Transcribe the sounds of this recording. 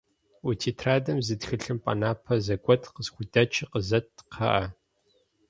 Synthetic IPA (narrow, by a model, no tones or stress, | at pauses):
utʰiːtʰraːdɐmzɨtxɨɬɨmpʼɐ̰naːpʰɐzɐɡʷʼɔtʰqəzxʷudɐt͡ʃʰʼiqəzɐtqʰɐ̰ʔɐ